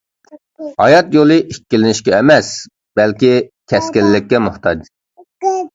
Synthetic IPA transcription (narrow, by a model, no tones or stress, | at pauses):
hɑjɑt̪jolˠɨʔikʲːilɪnɪʃkʲɛːmɛs | b̥ɛlkʲikʲʰɛskʲɪlːɪk̚ʲːɛmʊht̪ɑd͡ʒ